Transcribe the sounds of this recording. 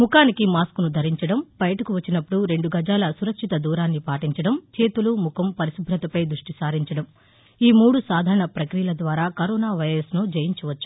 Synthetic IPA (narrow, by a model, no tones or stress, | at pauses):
mukaːnikimaːskunud̪ʱɐɾiɲt͡ʃɐɽɐmbɐjɐʈɐkuʋɐt͡ʃːinɐpːuɽuɾe̞ɳɖuɡʱɐd͡ʒaːlɐsuɾɐkʂit̪ɐd̪uːɾaːnːipaːʈiɲt͡ʃɐɽɐmt͡ʃeːt̪ulumukʰɐmpɐɾisubʱɾɐt̪ɐpɐjd̪ɾuʂʈisaːɾiɲt͡ʃɐɽɐm | iːmuːɽusaːd̪ʱaːɾɐɳɐpɾɐkɾijɐlɐd̪ʋaːɾaːkɐɾɔːnaːʋɐjɾɐsnud͡ʒɐjiɲt͡ʃuʋɐt͡ʃːu̥